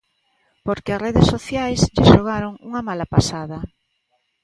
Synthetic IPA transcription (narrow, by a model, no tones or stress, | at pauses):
poɾkɪasreðesoθjajsʎɪʃoɣaɾoŋuŋɐmalapasaðɐ